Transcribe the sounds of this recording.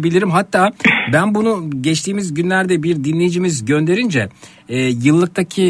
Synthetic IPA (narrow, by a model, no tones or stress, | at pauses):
bilʲiɾimɦat̪ʰːaːbænbunuɟɛt͡ʃt̪ʰiːmizɟynlʲæɾd̪ɛbiɾd̪inlʲe̞jid͡ʒimizɟø̞nd̪e̞ɾind͡ʒɛ | ɛːjɯlˠːɯk̚t̪ʰacʰi